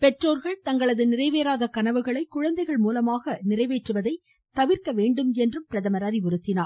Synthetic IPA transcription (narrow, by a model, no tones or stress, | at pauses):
pɛʈroːɾɣɐɭt̪ɐŋɡɐɭɐðɯnɪrɐɪʋeːɾaːðɐkɐnɐʋɯɣɐɭɐɪkːʊɻɐnd̪ɐɪɣɐɭmuːlɐmaːɣɐnɪrɐɪʋeːʈrɯʋɐðɐɪ | t̪ɐʋɪɾkɐʋeːɳɖɯmɛndrɯmpɪɾɐðɐmɐɾaːɾiʊɾɯt̪ːɪnaːɾ